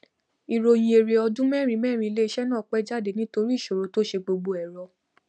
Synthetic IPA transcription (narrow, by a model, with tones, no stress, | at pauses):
i˨ɾo˧j̃ĩ˧e˨ɾe˨˧ɔ˧dũ˦mɛ˦˨ɾ̃ĩ˧mɛː˦˨ɾ̃ĩ˧le˦˧ʃɛ˦nãː˦˨k͡pɛ˦d͡ʒa˦˨de˨nĩ˦to˧ɾi˦i˦˨ʃo˨ɾo˨˧˦to˦ʃe˧ɡ͡bo˧ɡ͡bo˧ɛ˨ɾɔ˨˧